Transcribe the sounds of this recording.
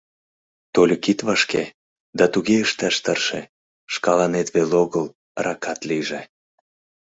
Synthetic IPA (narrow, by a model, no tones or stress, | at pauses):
t̪olʲkit̪βɑʃke | d̪ɑt̪uɣeəʃt̪æʃt̪ərʃḛ | ʃkɑlɑnet̪βeloɣəl | rɑkɑt̪liʒe